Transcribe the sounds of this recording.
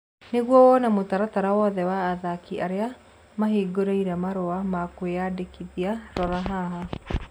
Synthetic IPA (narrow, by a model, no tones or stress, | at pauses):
neɣwɔwɔnamotaɾataɾawɔðɛwaːðakiʔaɾea | maɦiɡoɾeiɾɛmaɾoamakweadekiðiaɾɔɾaɦaɦa